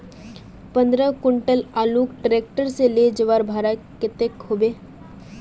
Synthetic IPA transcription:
pə̃nd̪ɾəkʊɳʈəlaːluːkʈɾeːk̚ʈəɾseled͡ʒəʋaːɾbʱaːɾakɪt̪ekɦoːbeː

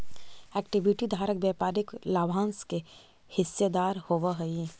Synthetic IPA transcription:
ɛːkʈɪʋiʈid̪ʱaːɾəkbɛːpaːɾɪklaːbʱaːnske | hɪsːed̪aːɾhoːʋaɦəi

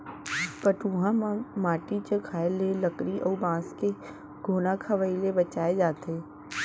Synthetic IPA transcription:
pəʈũːɦãmaːʈit͡ʃəkʰaːeleləkɾiʔɔːbãːske | ɡʱoːnakʰəʋailebət͡ʃaːed͡ʒaːt̪eː

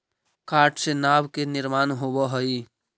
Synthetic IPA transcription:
kaʈsenabkeniɾmanɦobɔɦəj

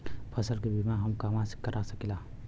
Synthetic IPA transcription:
pʰəsəlkibimaɦɐmkaːmãskəɾʔasəkila

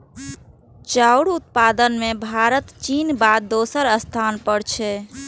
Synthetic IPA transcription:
t͡ʃauɽut̪̚pad̪ənmẽbʱaɾət̪t͡ʃiːnbad̪̚ːosəɾəst̪ʰanpəɽt͡ʃʰɛ

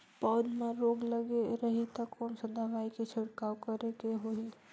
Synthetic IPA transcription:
paːd͡ʒmẽɾoːɡləɡeɾəɦit̪əkomsəd̪aʋaiket͡ʃʰɪɽkawkəɾekeɦoi

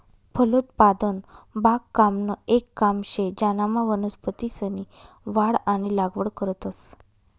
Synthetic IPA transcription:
pʰəlot̪pad̪ənbakːamnəekːamɕed͡ʑanamaʋənəspət̪isəni | ʋaɽaɽ̃ilaɡʋəɽkəɾət̪əs

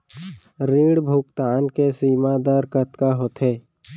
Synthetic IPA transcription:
ɾiːɽbʱukt̪aːnkesiːmad̪əɾkət̪kaɦot̪ʰeː

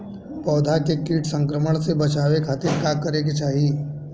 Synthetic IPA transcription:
pɔːd̪ʱakekiːʈʰsə̃ŋkɾəməɽ̃sebɐt͡ʃaːʋekʰaːt̪ɪɾkaːkəɾeket͡ʃaːɦi

